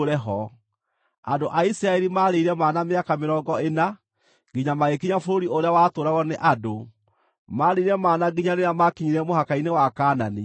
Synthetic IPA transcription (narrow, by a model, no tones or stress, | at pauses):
ɾɛɦɔ | andoʔaisɾaɛɾimaɾeiɾɛmaːnameakameɾɔːɡɔena | ɡiɲamaɣekiɲafoɾoɾioɾeawatoɾaɣɔneʔado | maɾeiɾɛmaːnaɡiɲaneamakiɲiɾɛmohakainewakaːnani